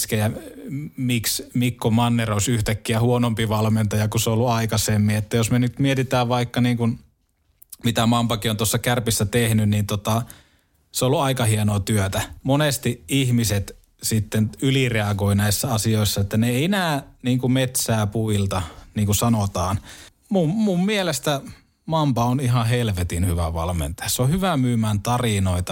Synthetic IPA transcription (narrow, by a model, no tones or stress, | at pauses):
skejæ | miksmikːomɑnːeroˑisyht̪ækːiæhuonompiʋɑlment̪ɑjɑkuseolːuɑikɑsemːiet̪ːæjosmenyt̪miet̪it̪æːʋʋɑikːɑniːŋkun | mit̪æmɑmpɑkiont̪uosːɑkærpisːæt̪ehnynnint̪ot̪ɑ | seolːuɑikɑhienoːt̪yøt̪æmonest̪iihmiset̪ | sit̪ːenylireɑɡoinæisːæɑsioˑisːɑet̪ːæneeienæːniːŋkumet̪sæːpuilt̪ɑniːŋkusɑnot̪ɑːn | mummummielest̪æ | mɑmpɑoniɦɑhelʋet̪inhyʋæʋɑ̰lmḛnt̪ɑjɑsseohyʋæmyːmæːnt̪ɑrinoit̪ɑ